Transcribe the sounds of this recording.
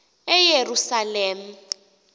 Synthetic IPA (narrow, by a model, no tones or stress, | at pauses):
ɛjerusaleːm̩